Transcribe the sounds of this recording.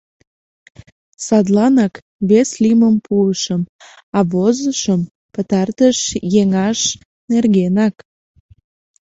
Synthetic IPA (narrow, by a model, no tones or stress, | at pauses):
sɑd̪lɑnɑk | βesliməmpʰuəʃəm | ɑβozəʃəm | pət̪ɑrt̪əʃjeŋɑʃ | nerɣenɑk